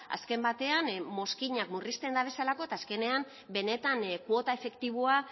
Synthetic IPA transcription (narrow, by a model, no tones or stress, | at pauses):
a̰ske̞mbat̪e̞anmo̞skiɲakmurist̪e̞nd̪aβ̞e̞salako̞et̪aːske̞ne̞am | be̞ne̞t̪ankwo̞t̪ae̞fe̞kt̪iβ̞oa